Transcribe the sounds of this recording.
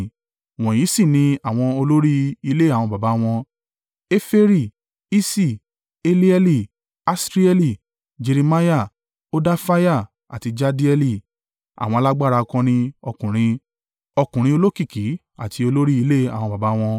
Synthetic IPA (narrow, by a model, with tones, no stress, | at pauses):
w̃ɔ̃˨jĩ˨˦sĩ˦˨nĩ˧a˨w̃ɔ̃˧o˧lo˦ɾi˦i˧le˦a˨w̃ɔ̃˧ba˨ba˨˦w̃ɔ̃˧ | e˦fe˦ɾi˦˨ | i˦si˦˨ | e˦li˦ɛ˧li˨ | a˦sɾi˦ɛ˧li˨ | d͡ʒe˧ɾi˧ma˦ja˦˨ | o˦da˦fa˦ja˦˨ | a̰˨ti˧d͡ʒa˧di˦ɛ˧li˦˨ | a̰˨w̃ɔ̃˧a˧la˦ɡ͡ba˦˨ɾa˧kɔ̃˧nĩ˧ɔ˧kũ˨ɾ̃ĩ˧ | ɔ˧kũ˨ɾ̃ĩ˧o˧lo˦ki˦˨ki˨˦ | a˨tʰi˧o˧lo˦ɾi˦i˧le˦˨a˨w̃ɔ̃˧ba˨ba˨˦w̃ɔ̃˧